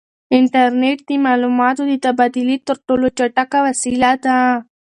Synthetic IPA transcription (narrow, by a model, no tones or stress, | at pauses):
ɪɳʈɐɾneːʈ̚t̪imaːlumaːt̪ud̪it̪ɐbaːd̪ilit̪əɾʈoːlot͡ʃɐʈakaʋɐsilat̪a